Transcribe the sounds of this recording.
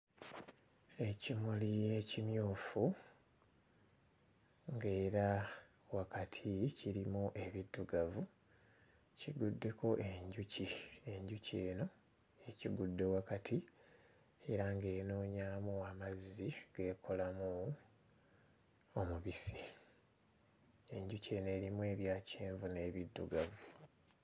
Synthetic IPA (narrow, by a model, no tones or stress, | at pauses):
e̞cimulije̞cimjuːfu | ŋɡe̞ːɾa | wakʰatʰiciɾimuʔe̞βidːuɡavu | ciɡudːe̞kʰo̞ʔe̞ɲɟucieɲɟuce̞ːno̞ | eciɡudːe̞wakatʰi | e̞ɾaŋɡe̞ːno̞ːɲaːmuamaziɡ̥e̞ːkʰo̞lamu | o̞muβisi | e̞ɲɟuce̞ːne̞ːɾimuwe̞ːβjaːceːɱvune̞ːβidːṵɡavu